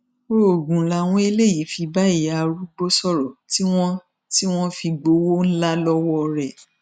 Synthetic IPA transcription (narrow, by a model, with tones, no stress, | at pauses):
o˦˨ɡũ˨la˨w̃ɔ̃˦e˧le˦˨ji˨˦fi˧ba˦i˦˨ja˨˧ɾu˦ɡ͡bo˦sɔ˦˨ɾɔ˨ti˦w̃ɔ̃˦ | ti˦w̃ɔ̃˦fi˧ɡ͡bo˧˦wo˦n̩˦la˦lɔ˦wɔ˦˧ɾɛ˦˨